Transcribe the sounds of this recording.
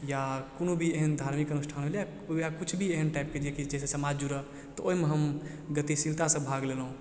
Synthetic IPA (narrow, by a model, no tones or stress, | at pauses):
jakonubʱieɦənd̪ʱaɾmikənusʈʰanɦelja | jakut͡ʃʰbʱieɦənʈaɪp̚ked͡ʒiekid͡ʒɛsesəmad͡ʒd͡ʒuɾə | t̪ɔoɦimeɦəm | ɡət̪isilt̪asəbʱaɡlelɦũ